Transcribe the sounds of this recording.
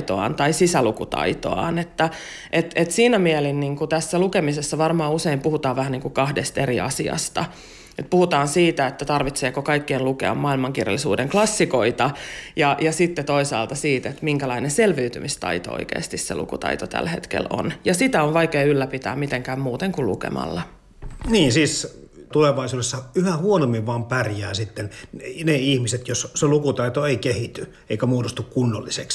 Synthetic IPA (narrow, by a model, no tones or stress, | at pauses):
t̪oɑ̰ːnt̪ɑisisælukut̪ɑ̰it̪o̰ɑ̰ːnet̪ːæ | ʔet̪et̪siːnæmielinniːŋkut̪æsːælukemisesːɑʋɑrmɑːuseimpuhut̪ɑːʋʋæhæniːŋkukɑhdest̪eriɑ̰siɑ̰st̪ɑ | et̪̚puhut̪ɑːnsiːt̪æet̪ːæt̪ɑrʋit̪seːkokɑikːiːnlukḛɑ̰mmɑːilmɑŋkirjɑ̰lːisṵːdeŋklɑsːikoit̪ɑjɑjɑsit̪ːet̪oisɑ̰ːlt̪ɑsiːt̪et̪miŋkælɑinenselʋyyt̪ymist̪ɑ̰it̪o̰o̰ikḛːst̪issḛlṵkṵt̪ɑ̰it̪ot̪æ̰lhḛt̪kḛlo̰njɑsit̪æoʋʋɑikeːylːæpit̪æ̰ːmit̪eŋkæːmmuːt̪eŋkullṵkḛmɑ̰lːɑ | niːnsiːs | t̪uleʋɑisuːdesːɑyhæhuonomːiʋʋɑːmpærjæːsit̪ːenneihmiset̪josselukut̪ɑit̪oeikehit̪y | eikæmuːdost̪ukkunːolːiseks